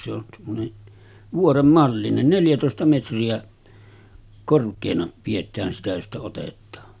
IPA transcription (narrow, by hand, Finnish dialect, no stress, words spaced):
se on semːone ʋuorem mɑlːinen neljætoˑestɑ metriæ korkˑeːnɑ pietˑæːn sitæ jostɑ otetˑɑː